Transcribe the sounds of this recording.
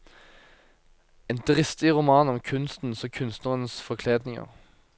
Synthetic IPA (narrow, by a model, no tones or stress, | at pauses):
eːnd̪ʁɪst̪ɪʁʊmɑːnɔmkʰʉnst̪n̩sɔkʰʉnst̪nəʁənsfɔʁkʰleːd̪nɪŋə̰ʁ